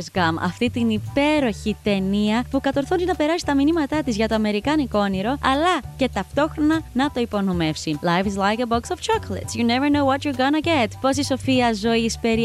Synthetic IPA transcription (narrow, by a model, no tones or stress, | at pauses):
zɡɐmɐ̰ft̪it̪inipe̞ɾo̞çit̪e̞niɐpukɐt̪o̞ɾθond̪inɐpe̞ɾɐsi̥t̪ɐminimɐt̪ɐt̪izʝɐt̪o̞ɐme̞ɾikɐniko̞niɾo̞ɐlɐce̞t̪ɐft̪o̞xɾo̞nɐnɐt̪o̞ipo̞nome̞fsilajfizlajkeboksov̥t͡ʃoklḛt̪sjuneveɾnowɔtjuɾɡonɐɟet̪po̞s̬iso̞fiɐzo̞ispe̞ɾi